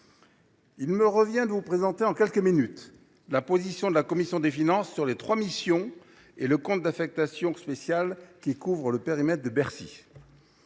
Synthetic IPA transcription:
ilməʁəvjɛ̃d̪əvupχezɑ̃t̪eɑ̃kʲɛlkəminyt̪ | lapozisjɔ̃d̪əlakɔmisjɔ̃d̪efinɑ̃sːyʁlet̪χwamisjɔ̃ | eləkɔ̃t̪̚d̪afɛk̚t̪asjɔ̃spesjalkʲikuvʁələpeʁimɛt̪χd̪əbɛʁsḭ

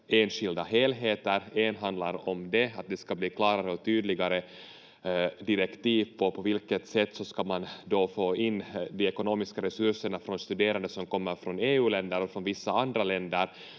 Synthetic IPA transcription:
eːnɧɪld̪aɦeːlɦeːt̪əɾeːnɦand̪laɾɔmd̪ɛat̪̚d̪ɛskabliːkʰlɑːɾaɾəɔk̚t̪ʰyːd̪lɪɡaɾə | d̪ɪɾɛkt̪iːvpʰɔpʰɔvɪlkət̪sɛt̪ːsɔskamand̪ofoːɪnːd̪iɛkʊnoːmɪskaɾɛsɵʂəɳafɾɔnst̪ɵd̪eːɾand̪əsɔmkɔmːəɾfɾɔneːʉ̟ːlɛnd̪əɾɔfɾɔnvɪsːaand̪ɾalɛnd̪əɾ

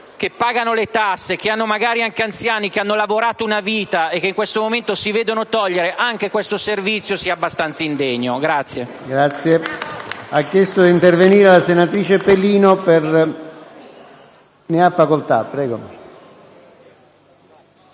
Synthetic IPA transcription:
k̟epːaːɡanolet̪asːek̟eanːomaɡaːɾiaŋkeant̪sjaːnik̟eanːolavoɾaːt̪ounaviːt̪aek̟ːeiŋkwest̪omoment̪osiveːd̪onot̪ɔʎːeɾeʔaŋk̟ekwest̪oservit̪sːjosiabːast̪ant̪saind̪eɲːoɡɾat̪sːje | ɡɾat̪sːje | akːjɛst̪od̪int̪erveniːɾelasenat̪ɾiːt͡ʃepeliːnoper | neafːakolt̪a̰pːɾɛːɡo

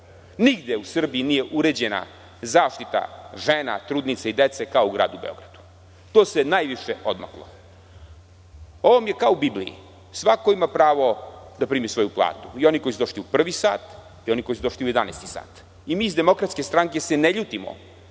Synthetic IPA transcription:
niɡd̪jeusr̩biinijeʔuɾed͡ʑena̰ | zaːʃt̪it̪a̰ʒena̰t̪ɾuːd̪nit̪seid̪et̪sekaouɡɾa̰ːd̪ubeo̞̰ɡɾad̪̥u̥ | t̪oːsenajʋiʃeo̞d̪ma̰klˠo̰ | oʋomje̞kaoubiblḭjḭ | sʋako̞imapɾaːʋo̞d̪apɾiːmisʋo̞juplˠa̰ːt̪u̥io̞niko̞jisud̪oʃt̪iupr̩ʋisa̰ːt̪ | io̞nikojsud̪oʃt̪iuje̞d̪anest̪i̥sa̰ːt̪ | imiːizd̪e̞mo̞kɾat̪skest̪ɾaŋke̞se̞neʎuːt̪imo̰

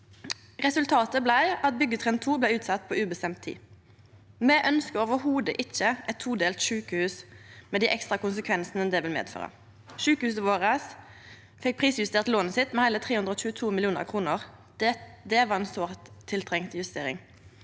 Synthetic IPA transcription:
ʁɛsʉlt̪ʰɑːt̪əblæɪʔɑt̪̚bʏɡːət̪ʰʁɛnt̪ʰuːblæɪʉːt̪sɑt̪ːpʰɔʉːbəst̪ɛmt̪ʰːḭː | mɛʔœnskəoːʋəɦuːd̪əʔɪçːəʔɛt̪ʰːuːd̪eːlt̪ʃʉːkəhʉːsmɛd̪iɪʔɛkst̪ʁɑkʊnsəkʰʋɛnsnəd̪ɛʋɪlmḛːd̪fø̰ːʁə̰ | ʃʉːkəhʉːsəʋoːʁəs | fɛk̚pʰʁiːsjʉst̪eːʁt̪loːnəsɪt̪mɛhæɪlət̪ʰʁeːhʉnd̪ʁəɔːçʉːət̪ʰuːmɪlɪuːnə̰ʁkʰʁuːnəʁ | d̪ɛʋɑʁɛnsoːʁt̪ʰːɪlt̪ʰʁɛŋt̪jʉst̪eːʁɪ̰ŋ

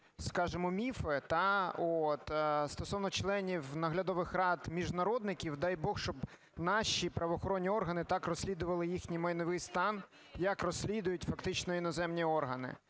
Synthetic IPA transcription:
skɑʒemɔmʲifɛt̪ɑɔt̪st̪ɔsɔwnɔt͡ʃlˠɛnʲiwnɐɦlʲɐd̪ɔʋɪxrɑd̪mʲiʒnɐɾɔd̪nɪkʲiwd̪ɑjbɔxʃt͡ʃɔb | nɑʃipɾɐʋɔxɔɾɔnʲːiɔrɦɐnɪt̪ɑkrɔsʲlʲid̪ʊʋɐlˠɪjixnʲijmɐjnɔʋɪjst̪ɑn | jɐkrɔsʲlʲid̪ʊjʊtʲfɐkt̪ɪt͡ʃnɔinɔzɛmnʲiɔrɦɐnɪ̰

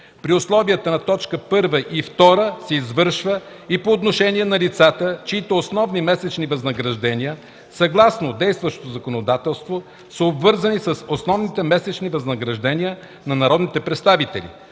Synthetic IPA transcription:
pɾioslˠɔvijət̪ənɐt̪ɔt͡ʃkəpɤɾvəʔift̪ɔɾəsɛizvɤɾʃvə | ipoːt̪noʃɛnʲiɛnɐlit̪sat̪ət͡ʃiit̪oːsnɔvnimɛsɛt͡ʃnivɐznɐɡɾɐʒd̪ɛnʲiə | sɐɡlˠasnod̪ɛjst̪vəʃt̪o̥t̪ozɐkonod̪at̪ɛlˠst̪vo | səobvɤɾzənisəsosnɔvnit̪ɛmɛsɛt͡ʃnivɐznɐɡɾɐʒd̪ɛniə | nɐnɐɾɔd̪nit̪ɛpɾɛt̪st̪avit̪ɛ̰lḭ

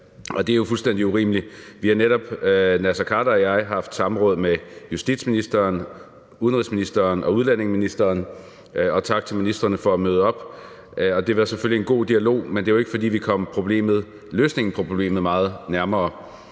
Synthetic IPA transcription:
ʔɒ̽d̥e̝æɐjofulsd̥en̰d̥iuʁḭːməliʋihɑneɾɒ̽b̥næsɐkʰɑ̈ːdɐɒjɑ̈ɪɦɑ̈fd̥sɑ̈m̩ʁɔ̽ːð̞̩ˠmejusd̥ḭd̥sminisd̥ɐːn | uðˠənʁisminisd̥ɐːnʔɒ̽uð̞ˠlæn̰e̝ŋsminisd̥ɐːn | ɒ̽t͡sʰɑ̈ɡ̥̚t͡sʰe̝lminisd̥ʁɐnəfɒ̽æmøːð̞ˠɒ̽b̥ | ɒ̽d̥e̝ʋɑ̈sefølie̝nɡ̥o̝̰ːd̥iælo̝̰ːmend̥e̝æjoe̝ɡ̥əfɒ̽d̥ḭːʋikʰɒ̽m̰pʰʁo̝b̥le̝̰ːmð̞̩ˠ | løːsne̝ŋn̩pʰʁo̝ble̝̰ːməð̞̩ˠmɑ̈ːð̞̩ˠnæɐmɐː

